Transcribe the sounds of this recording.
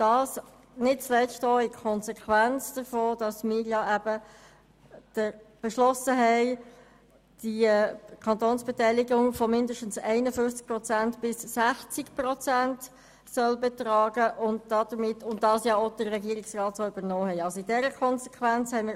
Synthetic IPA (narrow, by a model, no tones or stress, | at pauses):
d̥ɑːs | nɪt̚t͡slɛstoːɪkʰɔnsɛkʰʋænt͡sd̥əɾfoːd̥ɑsmɪːɾjɑæbə | d̥əb̥ɛʃlɔsəɦɛɪ | d̥ikʰɑntoːnsb̥ɛtɛɪlɪɡʊŋfɔmɪndəʃtən̩sɛɪnəfʏft͡sk̚prɔt͡sæntb̥ɪsːæχt͡sɪkprɔt͡sænt | sœlbɛtrɑːɡ̥əʔʊnd̚d̥ɑd̥əɾmɪtʰːʊntdɑːsjɑod̥əːɛɡiːəɾɪksrɑːtsoːyb̥əɾnɔːhɛɪɑlsoɪdɛɾəkʰɔnsɛkʰʋænt͡shɛɪmɪː